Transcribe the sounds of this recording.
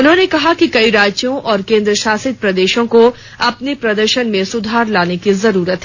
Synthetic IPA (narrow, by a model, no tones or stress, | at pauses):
ʊnɦõːnekɐɦakikɐiɾaːd͡ʒd͡ʒjõʔɔːɾkẽːnd̪ɾəʃaːsɪt̪̚pɾɐd̪eːʃõko | ɐpnepɾɐd̪əɾʃənmẽsʊd̪ʱaːɾlaːnekizɐɾuːɾət̪ɦɛ